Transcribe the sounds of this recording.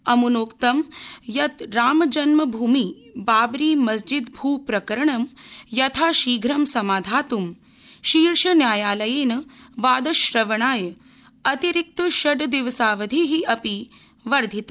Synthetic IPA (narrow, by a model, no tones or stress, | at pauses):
ɐmunoːkt̪ɐmjɐt̪ɾaːmɐd͡ʒɐnmɐbʱuːmibaːbɾiːmɐsd͡ʒid̪bʱuːpɾɐkɐɾɐɳɐmjɐt̪ʰaːʃiːɡʱɾɐmsɐmaːd̪ʱaːt̪um | ʃiːɾʂɐnjaːjaːlɐjeːnɐʋaːd̪ɐʃɾɐʋɐɳaːj | ɐt̪iɾik̚t̪ɐʃɐɖd̪iʋɐsaːʋɐd̪ʱiɦiɐpi | ʋɐɾd̪ʱit̪ɐ